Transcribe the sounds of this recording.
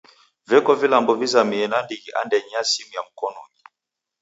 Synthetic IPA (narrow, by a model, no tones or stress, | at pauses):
vɛkɔvilambɔvizamiɛnandiɣiʔa̰ndɛɲasimujam̩kɔnɔ̰ɲi